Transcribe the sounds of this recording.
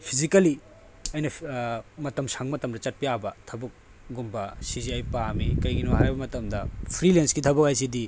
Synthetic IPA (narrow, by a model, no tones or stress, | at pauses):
pʰizikɐli | ɐjnɐmɐtɐmsaŋmɐtɐmdɐt͡ʃɐt̚pijabɐtʰɐbɐk̚ | ɡumbɐsiziajpamikɐjɡinoɦajbɐmɐtɐmdɐpʰɾilensɡitʰɐbɐk̚hajs̬idi